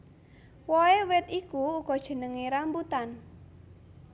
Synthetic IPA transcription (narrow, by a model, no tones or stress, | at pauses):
wɔewɪt̪ikuːɡ̥ɔ̤d̥ʒ̥ə̤nəŋeɾambut̪an